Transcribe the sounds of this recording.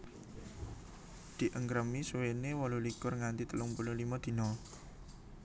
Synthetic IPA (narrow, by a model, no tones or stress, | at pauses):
d̪̥i̤ʔəŋkɾəmisuwenewɔlulikʊrŋant̪it̪əlʊŋpululimɔd̪̥i̤nɔ